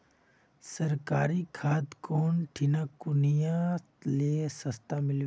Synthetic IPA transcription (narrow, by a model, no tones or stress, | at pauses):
sɐɾkaːɾikʰaːd̪koːnʈʰinakʊnijã | lesɐst̪amɪlʋ